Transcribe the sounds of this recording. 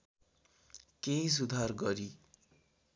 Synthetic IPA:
keĩs̬ud̪ʱarɡʌɾi

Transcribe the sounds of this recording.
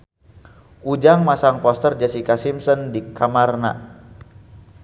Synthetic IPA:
ʔud͡ʒaŋmasaŋpɔst̪ərd͡ʒɛsikasimsɔndikamarna̰

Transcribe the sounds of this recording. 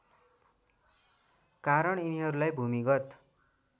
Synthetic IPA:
kaɾʌɽiniɦʌɾulajbʱumiɡʌt̪

